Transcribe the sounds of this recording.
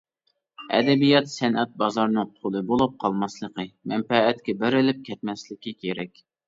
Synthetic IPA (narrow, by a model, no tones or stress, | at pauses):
ɛ̰d̪ɛbijɑt̪sɛnɛt̪̚bɑzɑɾnɨŋqʰolˠɨbolˠup̚qʰɑlˠmɑslˠəqəmɛmpɛːt̪kʲɛbɪɾɪlɪp̚kʲʰɛt̪mɛslɪkʲikʲʰeɾɛkʲ